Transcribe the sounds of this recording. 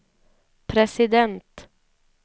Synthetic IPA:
pʰɾɛsɪd̪ɛnt̪

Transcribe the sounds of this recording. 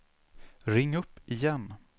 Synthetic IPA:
ɾɪŋːɵpːɪjɛn

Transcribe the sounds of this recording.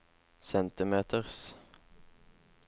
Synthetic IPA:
sɛnt̪ɪmeːt̪ʰəʁs

